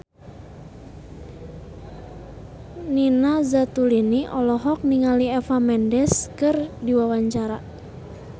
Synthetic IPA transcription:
ninazat̪uliniʔɔlɔɦɔk̚niŋaliɛfamɛndɛskɨrdiwawaɲt͡ʃaɾa̰

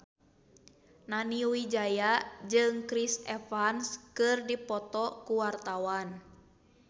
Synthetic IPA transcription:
naniwid͡ʒajad͡ʒɨŋkɾisɛfanskɨrdipɔt̪ɔkuwart̪awan

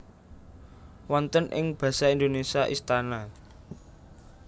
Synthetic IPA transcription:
wɔnt̪ənʔɪ̰ŋb̥ä̤saind̪onesiaʔist̪ana

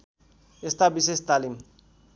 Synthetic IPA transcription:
est̪abis̬est̪alim

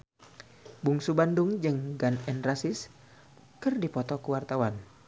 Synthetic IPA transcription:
buŋsubanduŋd͡ʒɨŋɡanɛnrasɪs | kɨrdipɔt̪ɔkuwart̪awan

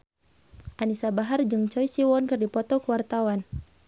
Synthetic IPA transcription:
ʔanisabaɦard͡ʒɨŋt͡ʃɔjsiwɔnkɨrdipɔt̪ɔkəwart̪awan

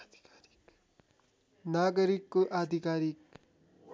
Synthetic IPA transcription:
ɾk | naːɡəɾikːuʔaːd̪ʱikaːɾik

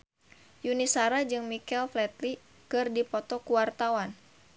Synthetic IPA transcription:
junisaɾad͡ʒɨŋmikɛlflɛt̪̚li | kɨrdipɔt̪ɔkuwart̪awan

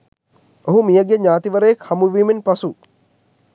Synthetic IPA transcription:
oɦumijəɡeɲaːt̪iʋəɾəjekhɐmuʋiːmenpasu

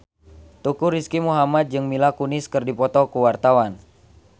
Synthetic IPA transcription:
t̪ukuɾiskimuɦamat̪̚d͡ʒɨŋmilakunɪskɨrdipɔt̪ɔkuwart̪awan

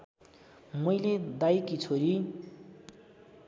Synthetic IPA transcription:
mʌjled̪ajkit͡sʰoɾi

